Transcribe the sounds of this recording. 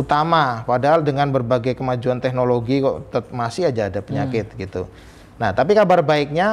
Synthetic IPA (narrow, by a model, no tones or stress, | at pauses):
ut̪amapadaɦaldəŋanbərbaɡajkəmad͡ʒuant̪ɛknoloɡikɔ̰t̪ət̪̚masɪɦad͡ʒaːdapəɲakɪt̪̚ɡit̪u | naht̪ap̬ikabarbaɪk̚ɲa